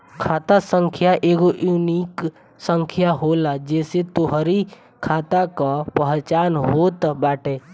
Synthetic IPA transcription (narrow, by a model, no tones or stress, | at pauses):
kʰaːt̪asə̃ŋkʰjaʔeːɡoʔjuniːk | sə̃ŋkʰjaɦolad͡ʒɛːset̪oɦɾi | kʰaːt̪akapəɦt͡ʃaːnɦoːt̪baːʈeː